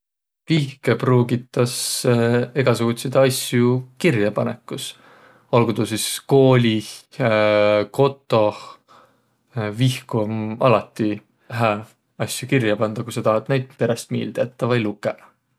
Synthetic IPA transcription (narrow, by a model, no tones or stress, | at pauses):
vihkepruːɡit̪ˑːɑs | e̞ɡ̥ɑsuɡ̥ut̪sed̪ɑsjukirjɑpɑnekːˑus | olɡud̪usisko̞ːlʲi | ko̞t̪ːˑo̞ | vihkumɑlɑt̪ːˑi | ɦæ | ɑsʲjukirjɑpɑnd̪̥ɑkusɑt̪ɑɦɑt̪næjd̪̥̚pe̞ɾest̪mḭːld̪̥et̪ːɑvɑjlukːˑe